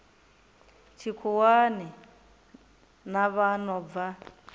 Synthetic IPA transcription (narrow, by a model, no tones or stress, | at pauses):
t͡ʃʰikʰuwani | naβanɔva